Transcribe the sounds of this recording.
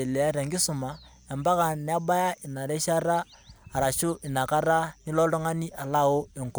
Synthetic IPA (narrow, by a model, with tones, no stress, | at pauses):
e˨lɛ˨a˦ɾɛ˨ŋɡi˦su˨ma˨ | ɛ˨mba˦ka˨nɛ˨a˦ba˦ja˦ʔi˨na˨ɾɛ˦ʃa˦ɾaː˦˨ɾa˨ʃo˦ʔi˨na˨ka˦ɾa˦ni˦lɔ˦lɔ˦ŋa˦ni˦ʔa˨la˦o˦e˨ŋko˨